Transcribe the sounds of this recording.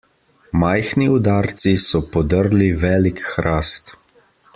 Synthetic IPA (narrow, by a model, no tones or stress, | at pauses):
majxniud̪aːɾt̪sisɔpɔd̪əɾliʋɛːlikxɾʔaːst̪